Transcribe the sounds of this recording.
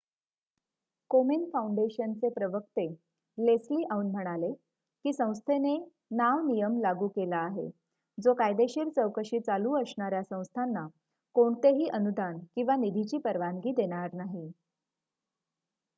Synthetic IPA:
komenfauɳɖeɕənt͡sepɾəʋək̚t̪e | lesliːʔauːnm̤əɽ̃ale | kiːsə̃w̃st̪ʰene | naʋnijəmlaɡuːkelaːɦḛ | d͡zokajd̪eɕiɾt͡səwkəɕiːt͡saluːəsɳaɾjasə̃w̃st̪ʰanːa | koɳt̪eɦiːʔənud̪ʱankĩw̃ʋanid̪ʱit͡ɕiːpəɾʋaŋɡiːd̪eɽ̃aɾnaɦi

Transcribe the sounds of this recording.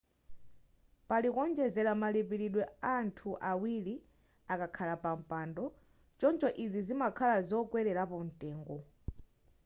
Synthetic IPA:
palikɔnd͡ʒɛzɛlamalipiɾiɗwɛantʰuʔawili | akakʰalapam̩pandɔ | t͡ʃɔnt͡ʃʰɔʔizizimakʰalazɔkwɛɾɛɾapɔn̩tʼɛːŋɡɔ

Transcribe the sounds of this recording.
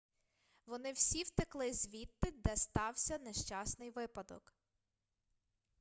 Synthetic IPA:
ʋɔnɪwsʲiwt̪ɪklˠɪzʲʋʲit̪ːɪd̪ɛst̪ɑwsʲɐneʃt͡ʃɑsnɪjʋɪpɐd̪ɔ̰k

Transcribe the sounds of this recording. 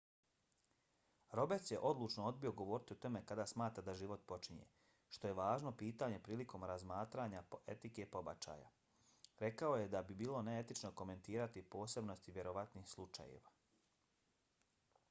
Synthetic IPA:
ɾo̞bet̪sje̞ʔo̞d̪lˠuːt͡ʃnoo̞d̪̚bio̞ɡo̞ʋo̞ːɾit̪iut̪o̞me̞kad̪aːsmaːt̪ɾad̪aʒiʋo̞t̪̚po̞t͡ʃiɲḛ | ʃt̪o̞je̞ʋaːʒno̞piːt̪aɲe̞pɾiːlikʰo̞mɾazmaːt̪ɾaɲaḛt̪ike̞po̞ba̰t͡ʃa̰ːja̰ | ɾe̞kao̞je̞d̪abibiːlˠo̞nee̞t̪it͡ʃno̞ko̞me̞nt̪iːɾat̪ipo̞ːse̞bno̞st̪iʋje̞ɾo̞ʋat̪niːxslˠut͡ʃa̰jḛʋa

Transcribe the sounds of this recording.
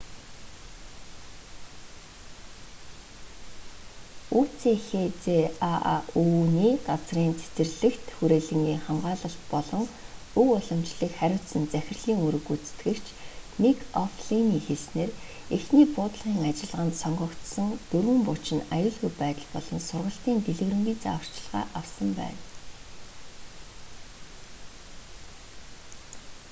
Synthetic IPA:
uːt͡sʰexet͡sea̰uniːɢat͡sriːnt͡sʰe̥t͡sɘ̆rɮɘ̆kt̪xuɾeːɮɘ̆ŋɡiːŋχamɢaːɮə̆ɬt̪pɔɮɞ̆ŋ | uwʊɮɞ̆mt͡ɕɮĭkχæɾʲʊ̥ːt̪sə̆nt͡sæxʲɪ̆rɮiːŋuɾɵ̆kut͡st̪ɡɘ̆kt͡ɕʰnekɔfɮiniːxesneːr | exniːpʊːt̪̆ɮʁiːŋat͡ɕɪ̆ɮʁə̆nt̪sɔŋɢɞ̆kt̪sə̆ŋt̪ɵrwɘ̆mpʊt͡ɕɪ̆najʊːɮɣujpæːt̪ə̆ɮpɔɮɞ̆nsʊrʁə̆ɬt̪iːnt̪eɮɘ̆ɣrɘ̆mɡiːt͡sawr̥t͡ɕɪ̆ɮʁa̰ːʔawsə̆mpæ̰ːn

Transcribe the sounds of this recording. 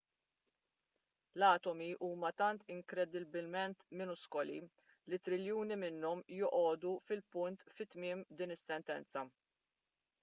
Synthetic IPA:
lɐːt̪ɔmiʔuːmɐt̪ɐnt̪ɪŋkɾɛd̪ɪbɪlmɛnt̪mɪnʊskɔlḭ | lit̪ɾɪljuːnimɪnːɔmjɔʔɔːd̪ufɪlpʊnt̪fɪt̪mɪːmd̪iːnɪsːɛnt̪ɛ̰nt͡sɐ

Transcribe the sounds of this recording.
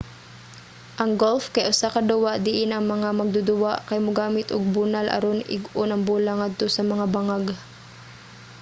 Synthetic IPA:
ʔɐŋɡolfkɐjʔʊsakɐd̪ʊwaʔd̪ɪʔɪnɐŋmɐŋamɐɡ̚d̪ʊd̪ʊwaʔkɐjmʊɡaːmɪt̪ʔʊ̰ɡ̚bʊnalʔɐ̰ɾonʔɪ̰ɡʔʊnɐŋbuːlaŋːad̪̚t̪osɐmɐŋabaŋaɡ

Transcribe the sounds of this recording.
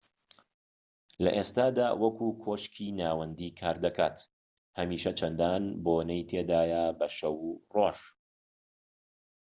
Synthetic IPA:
lɐʔeːst̪aːd̪a̰ːwʔɐkʰuːkʰoːʃkʰiːnaːwɐnd̪iːkʰaːɾd̪ɐkʰa̰ːt̪ | hɐmiːʃɐt͡ʃʰɐnd̪aːnboːnɛjt̪ʰeːd̪aːjabɐʃɐwuroːʃ

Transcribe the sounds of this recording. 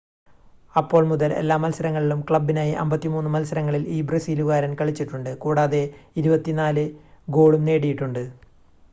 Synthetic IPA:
ɐpːo̞ːɭmuðɐle̞̰lːaːmːɐlsɐɾɐŋːɐɭilumkɭɐbːinaːjiʔɐ̰mbɐt̪ːimuːnːɨmɐlsɐɾɐŋːɐɭiliːbrɐsiːluɣaːɾɐnkɐɭit͡ɕːiʈːuɳɖɨkuːɽaːðe̞iɾubɐt̪ːinaːlɨɡo̞ːɭumne̞ːɽijiʈːuɳɖɨ

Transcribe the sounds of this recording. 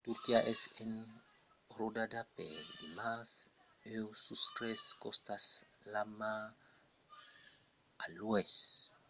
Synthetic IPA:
t̪uɾkiaʔɛsen | ɾodadapedimas | ewsust̪ɾeskost̪aslama | alues

